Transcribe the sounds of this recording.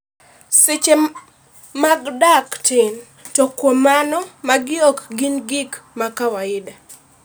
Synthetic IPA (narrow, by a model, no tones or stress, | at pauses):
sɪt͡ʃe | maɡdaktɪn | tɔkwomanɔmaɡɪɔkɡinɡikmakawaɪda